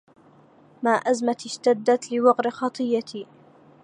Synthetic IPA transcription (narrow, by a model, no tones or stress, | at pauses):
maːʔazmat̪ʃt̪ad̪ːat̪lɪwɑqɾɪxɑt̪ˤɨjːat̪iː